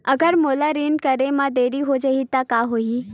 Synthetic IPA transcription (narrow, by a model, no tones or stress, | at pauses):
əɡəɾmoːlaɾinkəɾemãd̪eːɾiɦod͡ʒaɦit̪akaɦoi